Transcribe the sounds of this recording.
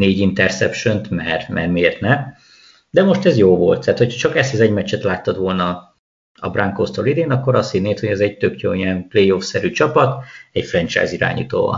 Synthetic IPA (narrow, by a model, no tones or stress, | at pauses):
neːɟint̪ɛrsɛpʃønt̪mɛrmʔɛ̰rmieːrt̪nɛ | d̪ɛmo̞ʃt̪ɛzjoːvo̞lt̪ːaːt̪ho̞chɒt͡ʃɒkɛsezɛɟmɛt͡ʃːɛt̪laːt̪ːɒt̪ʋo̞lnɒ | ɒ̰brʔaŋkoːst̪o̰ːlid̪eːnɒkːo̞ɾɒst̪hid̪neːt̪ho̞ɟɛzɛɟ̚t̪økjo̰ːiɛnplejofsɛɾyt͡ʃɒpɒt̪ɛcfrɛnt͡ʃa̰jziɾa̰ːɲḭːt̪o̰ːvɒ̰n